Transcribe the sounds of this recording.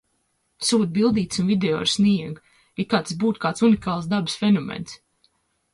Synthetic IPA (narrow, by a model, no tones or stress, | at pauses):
suːd̪̚bilˠd̪iːt̪sunvid̪eo̰ːɾsniɛɡ | ikaːt̪sbuːt̪kaːt̪sunikaːlˠsd̪abɨsfʲenɔmɛ̰ns